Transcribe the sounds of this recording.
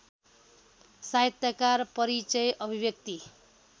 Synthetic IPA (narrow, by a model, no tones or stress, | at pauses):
saɦet̪jʌkarpʌɾit͡sʌjʔʌbʱibjʌk̚t̪i